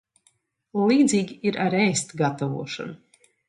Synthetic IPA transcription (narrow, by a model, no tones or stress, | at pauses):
lˠiːd̪zʲiːɡʲiiɾʔaɾɛːst̪ɡat̪avuɔʃa̰nu